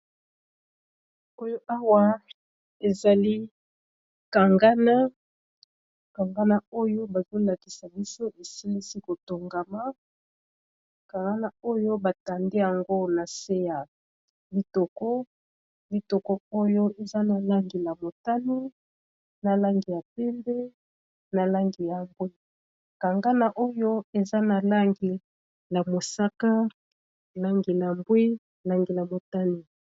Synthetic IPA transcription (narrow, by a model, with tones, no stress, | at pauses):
o˦jo˦ʔa˦wa˦ | e˨za˨li˦ | ka˨ŋɡa˦na˦ | ka˨ŋɡa˦na˦o˦jo˦ba˨zo˦la˨ki˨sa˨bi˦so˦ʔe˨si˦li˦si˦ko˨to˨ŋɡa˨ma˦ | ka˨ŋɡa˦na˦o˦jo˦ba˨ta˨nde˦ja˨ŋɡo˦na˨se˦ja˨ | bi˨tɔ˨kɔ˦ | bi˨tɔ˨kɔ˦o˦jo˦ʔe˨za˦na˨la˦ŋɡi˨la˨mo˨ta˦ni˦ | na˨la˦ŋɡi˨ja˨pe˦mbe˦ | na˨la˦ŋɡi˨ja˨mbwe˦ | ka˨ŋɡa˦na˨ʔo˦jo˦e˨za˦na˨la˦ŋɡi˨ | na˨mo˨sa˦ka˦ | la˦ŋɡi˨na˨mbwi˦ | la˦ŋɡi˨la˨mo˨ta˦ni˨